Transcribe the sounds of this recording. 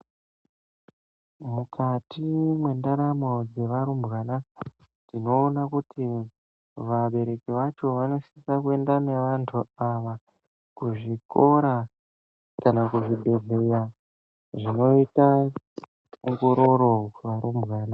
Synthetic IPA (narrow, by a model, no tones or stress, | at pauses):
mukʰatimwe̞ndaɾamo̞d͡ze̞ʋaɾumbɣaːna | nino̞ːnakutʰi | ʋaɓe̞ɾe̞kiʋat͡ʃo̞ʋano̞ʃiisakue̞ndaneʋantʰuaʋa | kuʐiko̞ɾa | kanakuʐibʱe̞zeja | ʐino̞ita | uŋɡo̞ɾo̞ɾo̞ʋaɾumbɣaːna